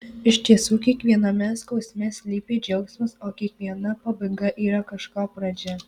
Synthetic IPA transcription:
ɪʃʲt̪ʲiɛsuːkʲiɛkʋʲiɛnɐmʲɛskɐʊsʲmʲɛsʲlʲiːpʲeːd͡ʒʲɛʊksmʊsoːkʲiɛkʋʲiɛnɐpɐbɐɪɡɐʔiːɾɐkɐʃkɑːpɾɐd͡ʒʲɛ

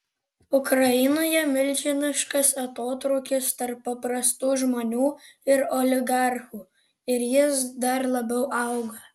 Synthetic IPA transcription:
ʊkɾɐjɪnoːjɛmʲɪlʲd͡ʒʲɪmʲɪʃkɐsɐt̪oːt̪ɾɐʊkʲɪst̪ɐɾpːɐpɾɐst̪uːʒmoːnʲuːɪɾolʲɪɡɑɾxuː | ɪɾjɪsd̪ɐɾlˠɐbʲɛʊʔɑʊɡɐ

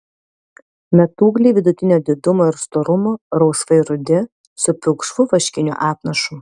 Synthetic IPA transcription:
mʲɛt̪uːɡlʲiːʋʲɪd̪ʊt̪ʲɪnʲoːd̪ʲɪd̪ʊmoːɪɾst̪oːɾʊmoːɾɒʊsʋɐɪɾʊd̪ʲɪ | sʊpʲɪkʃʋʊʋɐʃʲkʲɪnʲʊ̰ʔɑːpnɐʃuː

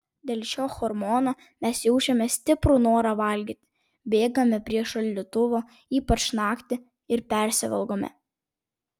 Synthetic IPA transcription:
d̪ʲeːlʲˠʃʲoːxɔɾmɔːnoː | mʲɛsjɛʊt͡ʃʲɛmʲɛsʲt̪ʲɪpɾunoːɾɑʋɐlʲɡʲit̪ʲ | bʲeːɡɐmʲɛpʲɾʲiɛʃɐlʲlʲɪt̪ʊʋoː | iːpɐt͡ʃnɑːkt̪ʲɪ | ɪɾpʲɛˑɾʲsʲɪʋɛ̰lˠɡoːmʲɛ̰

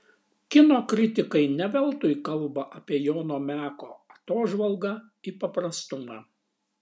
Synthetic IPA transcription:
kʲɪnoːkɾʲɪt̪ʲɪkɐɪnʲɛʋʲɛlˠˑt̪ʊjkɐlˠbɐʔɐpʲiɛjoːnoːmʲæːkoːɐt̪oːʒʋɐlˠɡɐ | ipɐpɾɐst̪ʊmɑː

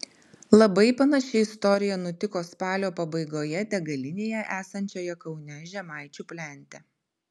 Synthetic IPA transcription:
lˠɐbɐɪpɐnɐʃʲɛɪɪst̪ɔɾʲɪjɛnʊt̪ʲɪkoːspɑːlʲoːpɐbɐɪɡoːjɛt̪ʲɛɡɐlʲɪnʲeːjɛʔæːsɐnʲt͡ʃʲoːjɛkɒʊnʲɛʒʲɛmɑˑɪt͡ʃʲʊːpʲlʲɛˑnʲt̪ʲɛ

